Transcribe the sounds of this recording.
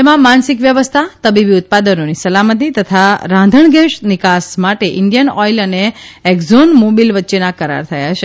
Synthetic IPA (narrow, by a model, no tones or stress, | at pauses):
t̪emãmansikʋjəʋəst̪ʰat̪əbibiʊt̪̚pad̪ənonisəlamət̪̬it̪ət̪ʰaɾãnd̪ʱəɳɡɛ̃ʃnɪkasmaʈeʔɪɳɖjənɔiləneːɡzonmobilʋətːʃenakəɾa̰ɾt̪ʰəja̰t͡ʃʰe